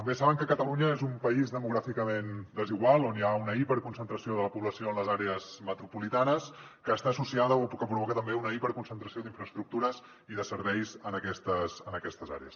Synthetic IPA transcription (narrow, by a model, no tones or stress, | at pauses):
t̪əmbesaβəŋkəkət̪əluɲəezumpəizðəmuɣɾafikəmend̪əziɣwalˠonjaunəipəɾkunsənt̪ɾəsioðələpuβləsioənləzaɾeəzmət̪ɾupulit̪anəskəːst̪aːsusiaðəopkəpɾuβɔkət̪əmbeunəipəɾkunsənt̪ɾəsioðiɱfɾəːst̪ɾuk̚t̪uɾəz | iðəsəɾβɛjzənəkɛst̪əsənəkɛst̪əza̰ɾḛəs